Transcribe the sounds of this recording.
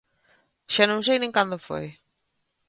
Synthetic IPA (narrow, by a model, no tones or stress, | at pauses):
ʃanõŋs̬ejnẽŋkand̪ʊfo̰j